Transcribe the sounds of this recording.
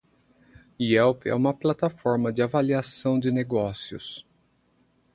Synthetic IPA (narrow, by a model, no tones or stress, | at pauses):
iɛwpɛ̰ũmɐplat̪afɔɾmɐd͡ʒɪavaliasɐ̃w̃d͡ʒɪneɡɔsiʊ̰s